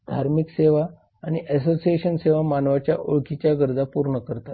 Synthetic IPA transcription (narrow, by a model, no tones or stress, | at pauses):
d̪ʱaɾmikseʋaː | ɽ̃iʔɛsosieɕənseʋamanʋat͡ɕjaʔoɭkit͡ɕjaɡəɾd͡zapuɾɳəkəɾt̪at̪